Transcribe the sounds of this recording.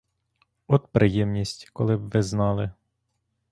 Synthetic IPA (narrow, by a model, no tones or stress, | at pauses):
ɔt̪pɾʔɪjɛmnʲisʲtʲkɔlˠɪbʋɪznɑlˠɪ